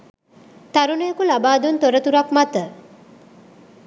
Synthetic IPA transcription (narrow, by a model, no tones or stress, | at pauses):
t̪aɾunəjəkulabaːd̪unt̪oɾət̪uɾakmat̪ə